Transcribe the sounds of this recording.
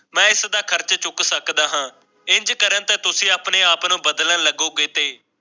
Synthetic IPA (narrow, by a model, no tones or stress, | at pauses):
mɛ̃ːɪsd̪aːkʰəɾt͡ʃt͡ʃʊksəkd̪aːɦãː | ɪɲd͡ʒkəɾənt̪eːt̪ʊsĩːaːpneːaːpnũːbəd̪lə̃ːləɡoːɡeːt̪eː